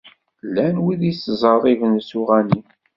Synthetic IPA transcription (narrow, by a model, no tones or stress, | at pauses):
lːænwiðiszˤəɾðˤivənsuʁæni